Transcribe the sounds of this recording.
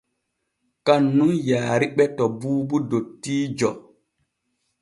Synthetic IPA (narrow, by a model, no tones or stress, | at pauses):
kanːunjaːɾiɓɛtɔbuːbudotːiːd͡ʒɔ